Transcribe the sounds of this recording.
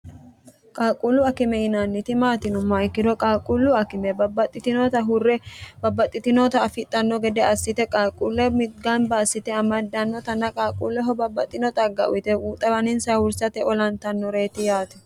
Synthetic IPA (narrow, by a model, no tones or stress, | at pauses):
kʼaːkʼulʊɐkɪmɛɪnanːɪt̪ɪmaːt̪ɪnʊmːɐɪkːɪd̪ɔkʼaːkʼulːʊɐkɪmɛbɐbːɐt̪ʼːɪt̪ɪnɔt̪ɐɦʊrːɛbɐbːɐt̪ʼːɪt̪ɪnɔt̪ɐːfɪt̪ʼːɐnːɔɡɛd̪ɛɐsːɪt̪ɛkʼaːkʼulːɛmɪɡɐnbaːsːɪt̪ɛɐmɐd̪ːɐnːɔt̪ɐnːɐkʼaːkʼulːɛɦɔbɐbːɐt̪ʼːɪnɔt̪ʼɐɡːɐ̰ʔʊ̰ɪt̪ɛuːt̪ʼːɐbɐnɪnsɐwʊɾsɐt̪ɛɔlɐnt̪ɐnːɔɾe̞ːt̪ɪjaːt̪ɛ̥